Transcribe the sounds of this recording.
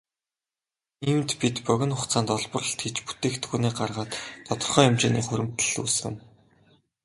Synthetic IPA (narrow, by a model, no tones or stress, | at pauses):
imt̪pit̪pœɣʲɪ̆nχʊχt͡saːnt̪ɔɮpɞ̆rə̆ɬt̪ɡet͡ɕpu̥t̪eːkt̪ɡuːniːɢarʁaːt̪ːʰɔt̪ɞ̆rχœːjʊmt͡ɕiːnḭːχʊɾʲɘ̆m̥t̪ɘ̥̆ɮṵːsɘ̆ŋ